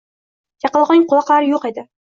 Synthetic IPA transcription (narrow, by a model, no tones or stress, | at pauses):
jɑqəlˠʁɑŋqʰʊlˠɑqlˠaɾɪjoqed̪ɪ